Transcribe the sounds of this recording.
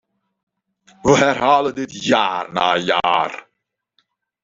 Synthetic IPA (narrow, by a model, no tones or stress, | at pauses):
ʋəɦɛrɦaːlədɪtjaːrna̰ːja̰ːr